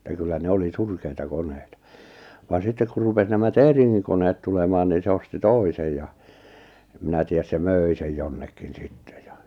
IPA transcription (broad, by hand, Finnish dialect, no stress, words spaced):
etæ kylːæ ne oli surkeitɑ koneitɑ ʋɑn sitːek kur rupes næmæ teˑriŋːiŋ koneːt tulemɑːn niːn̞ se osti toˑisej jɑ em minæ tiæs se møˑi sej jonːekin sitːe̥ j̊ɑ̥